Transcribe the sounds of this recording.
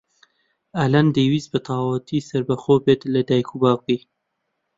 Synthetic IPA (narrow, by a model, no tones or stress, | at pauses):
aland̪ewizbət̪ɑwat̪isaɾbaxobet̪lad̪ɑjkubɑwki